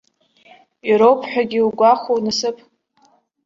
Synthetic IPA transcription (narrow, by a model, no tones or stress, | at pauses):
iɾowpʰħᶣaɡʲiuɡʷaχʷownɨsɨpʰʼ